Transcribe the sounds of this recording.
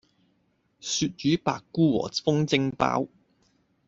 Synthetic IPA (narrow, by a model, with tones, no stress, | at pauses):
syː˧t̚t͡ʃyː˨˥pa̰ː˧kːuː˥wɔ̰ː˨˩fʊ˥ŋt͡sɪ˥ŋpa̰ː˥w